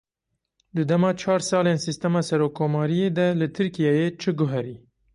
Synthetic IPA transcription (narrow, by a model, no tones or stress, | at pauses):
d̪ɨd̪ɛmɑːt͡ʃʰɑːɾsɑːleːnsist̪ɛmɑːsɛɾoːkʰːoːmɑːɾijeːd̪ɛlɨt̪ʰɨɾkijɑːjeːt͡ʃʰɨɡʊɦɛɾiː